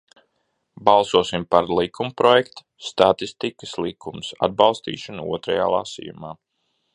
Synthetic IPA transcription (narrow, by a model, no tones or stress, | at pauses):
bɑlˠsuɔsimpaɾlˠikʰumpɾɔjɛkt̪u̥st̪at̪ist̪ikəslˠikʰumsa̰d̪̚bɑlˠst̪ḭːʃanuṵɔt̪ɾaja̰ːlˠa̰sḭjṵmaː